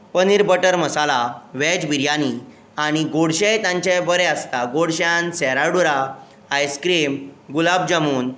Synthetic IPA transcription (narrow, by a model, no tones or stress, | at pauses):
pəniɾbəʈəɾməsalaʋɛd͡ʑbiɾjani | aɽ̃iɡoɽɕejt̪ãɲt͡ɕebəɾeəst̪aɡoɽɕãnsɛɾaɽuɾaː | jskɾemɡulabd͡ʑamuːn